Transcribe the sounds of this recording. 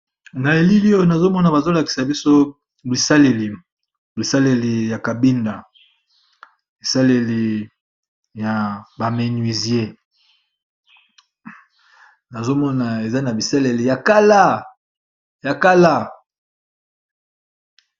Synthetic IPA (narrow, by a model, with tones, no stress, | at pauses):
na˨e˨li˦li˦o˦o˦na˨zo˦mɔ˦na˨ba˨zo˦la˨ki̥˨sa˨bi˦so˦ | bi˨sa˦le˨li˨ | bi˨sa˦le˨li˨ja˨ka˨bi˦nda˨ | bi˨sa˦le˨li˨ | ja˨ba˨me˨ni˨zi˨˦e˦ | na˨zo˦mɔ˦na˨e˨za˦na˨bi˨sa˦le˨li˨ja˨ka˦la˦ | ja˨ka˦la˦˨